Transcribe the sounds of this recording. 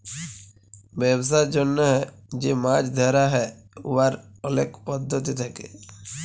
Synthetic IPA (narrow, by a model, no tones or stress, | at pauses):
bɛbs̬aɾd͡ʒonːəɦɛd͡ʒemad͡ʒd̪ʱɛɾaɦɛ | ṵʋaɾɔlekpɔd̪ʱːət̪it̪ʰakḛ